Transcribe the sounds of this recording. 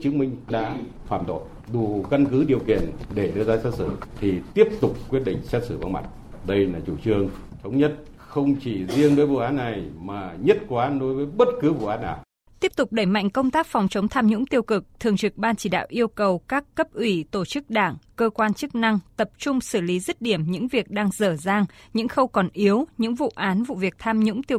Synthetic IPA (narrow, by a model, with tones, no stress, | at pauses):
t͡ɕɨ˨˦əŋmï˧ŋ̟ɗa̰ː˧˥ | faː˧˩mt̪o̰˧˨j | ɗu˨˩˨ka˧nkɨ˨˦ɗi˨˩əwkḭ˧˨ənɗe˧˩ɗɨ˧əzaː˧sɛ˦˥t̚sɨ̰˧˩t̪ʰi˨˩t̪i˦˥əp̚t̪ʊ˨˩k͡p̚kːwi˦˥ət̚ɗḭ̈˧˨ŋ̟sɛ˦˥t̚sɨ̰˧˩va̰˧˩nma̰˧˩t̚ɗə˧jlaː˨˩t͡ɕu˧˩t͡ɕɨ˧əŋ | t̪ʰə˨˦wŋ͡mɲə˦˥t̚ | xə˧wŋ͡mt͡ɕi˧˩zi˧əŋɗə˨˦jvṵ˧˨ʔaː˨˦nːa˨˩jmaː˨˩ɲə˦˥t̚kwaːʔaː˨˦nɗo˨˦jvəː˨˦jjɓə˦˥t̚kɨ˨˦vṵ˧˨ʔaː˨˦nːa̰ː˨˩w | t̪i˦˥əp̚t̪ʊ˨˩k͡p̚ɗə˧˩jma̰˧˨jŋ̟kə˧wŋ͡mt̪aː˦˥k̚fɔ˨˩wŋ͡mt͡ɕə˨˦wŋ͡mt̪ʰaː˧mɲʊ̰˧˥ŋ͡mt̪i˧əwkɨ˨˩k̚t̪ʰɨ˨˩əŋt͡ɕɨ˨˩k̚ɓaː˧nt͡ɕi˧˩ɗa̰ː˧˨wʔi˧əwkə˨˩wkaː˦˥kːə˦˥p̚ʔwi˧˩t̪o˧˩t͡ɕɨ˦˥k̚ɗaː˧˩ŋkəː˧kwaː˧nt͡ɕɨ˦˥k̚na˧ŋt̪ə˨˩p̚t͡ɕʊ˧ŋ͡msɨ˧˩li˨˦zi˦˥t̚ɗi˧˩əmɲɨ̰˧˥ŋvi˨˩ək̚ɗaː˧ŋzəː˧˩zaː˧ŋɲɨ̰˧˥ŋxə˧wkɔ˨˩nʔi˨˦əwɲɨ̰˧˥ŋvṵ˧˨ʔaː˨˦nvṵ˧˨vi˨˩ək̚t̪ʰaː˧mɲʊ̰˧˥ŋ͡mt̪i˧w